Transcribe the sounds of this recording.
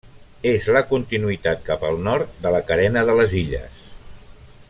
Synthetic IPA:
ezləkunt̪inuit̪at̪̚kapəlˠnɔɾt̪̚d̪ələkəɾɛnəðələziʎə̰s

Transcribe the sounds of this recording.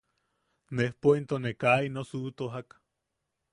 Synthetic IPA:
nehpoint̪onekainosuʔt̪oɦak

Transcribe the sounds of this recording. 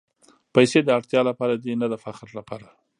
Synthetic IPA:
pajsed̪əaɽt̪jɑlapɑɾad̪enad̪əfaxɾlapɑɾa

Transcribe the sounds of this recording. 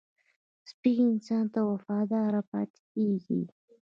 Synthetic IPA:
spiɡiɪnsɑnt̪awafɑd̪ɑɾapɑ̰t̪keɡḭ

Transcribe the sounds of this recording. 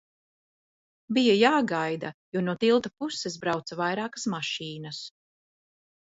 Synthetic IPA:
bijajaːɡajd̪ajuɔnuɔt̪ilˠt̪apuses̬bɾawt̪savajɾaːkɐ̥smaʃiːnɐs

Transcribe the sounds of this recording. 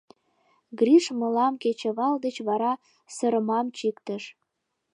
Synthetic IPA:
ɡriʃməlɑmket͡ɕĕβɑld̪et͡ɕβɑɾɑ | səɾəmɑmt͡ɕikt̪əʃ

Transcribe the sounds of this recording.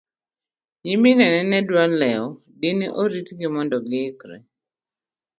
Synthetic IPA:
ɲɪminɛnɛnɛdwalɛɔ | diniʔoɾitɡɪmɔndɔɡɪkɾɛ̰

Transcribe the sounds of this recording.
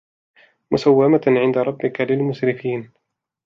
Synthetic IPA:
mʊsawːamaʕɪnd̪aɾˤɑbːɪkalɪlmʊʃɾɪfiːn

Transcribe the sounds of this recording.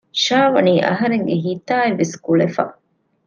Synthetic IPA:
ʃaːʋɐniːʔɐ̰ɦɐɾeŋɡeɦiːt̪aːeʋːeskuɭefɐ̰

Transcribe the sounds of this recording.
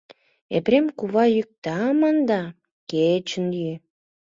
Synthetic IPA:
epɾemkuβɑjyk̚t̪ɑmənd̪ɑ | ket͡ɕə̆njy

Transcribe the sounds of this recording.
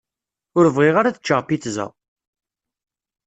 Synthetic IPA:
ʊɾəvʁiʁaɾaðə̥t͡ʃːəʁpiθzə̰

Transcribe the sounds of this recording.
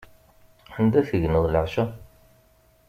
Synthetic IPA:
ənd̪æθəʝnəðˤləʕʃæ

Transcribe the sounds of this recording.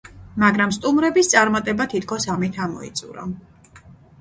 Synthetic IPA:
maɡɾamst̪ʼumɾɛbist̪sʼaɾmat̪ʼɛbat̪ʰit̪ʰkʰɔsamit̪ʰamɔ̰ḭt̪sʼṵɾa̰

